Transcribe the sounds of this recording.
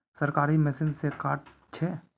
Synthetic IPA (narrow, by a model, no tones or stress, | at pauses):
sɐɾkaːɾimɛsɪnsekaːʈ̚ | t͡ʃʰɛː